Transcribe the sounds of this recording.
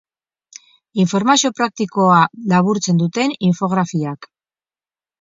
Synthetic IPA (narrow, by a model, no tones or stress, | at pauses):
iɱfo̞ɾmasio̞pɾak̚t̪iko̞alaβuɾt͡se̞nd̪ut̪e̞niɱfo̞ɣɾafiak